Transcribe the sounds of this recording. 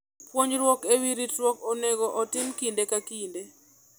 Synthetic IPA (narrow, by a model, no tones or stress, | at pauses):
pwoɲd͡ʒɾwokewiɾitwokoneɡoʔɔtɪmkindekakinde